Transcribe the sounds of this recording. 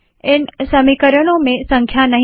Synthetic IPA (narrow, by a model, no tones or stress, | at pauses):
ɪnsɐmikəɾəɽ̃õmẽsɐ̃ŋkʰjanɐɦ